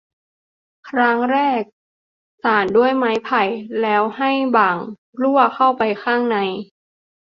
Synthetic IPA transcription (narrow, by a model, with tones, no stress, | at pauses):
kʰɾa˦˥ŋɾɛː˥˩k̚ | saː˨˩ndu˥˩əjma˦˥jpʰa˨˩jlɛː˦˥wha˥˩jbaː˨˩ŋ | lu˥˩ɐkʰa˥˩wpa˧jkʰaː˥˩ŋna˧j